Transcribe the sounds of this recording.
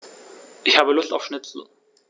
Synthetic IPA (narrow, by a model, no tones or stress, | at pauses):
ʔɪçhaːbəlʊstaʊfʃnɪt͡sl̩